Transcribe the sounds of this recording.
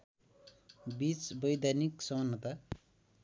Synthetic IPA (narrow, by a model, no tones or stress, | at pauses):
bit͡sbʌjd̪ʱaniksʌmnːʌt̪a